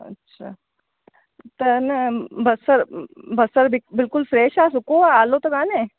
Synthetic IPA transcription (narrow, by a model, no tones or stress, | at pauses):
ɐ̰tːɕʰa̰ | t̪ənbɐsəɾbʱəsəɾbɪbɪlkʊlfɾeːʃaːsukoaalot̪okaːnẽ